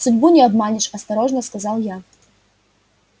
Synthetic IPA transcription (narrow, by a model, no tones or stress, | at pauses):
sɨdʲbunʲɛab̪manʲiʂɐst̪aɾɔʐnɐskazawja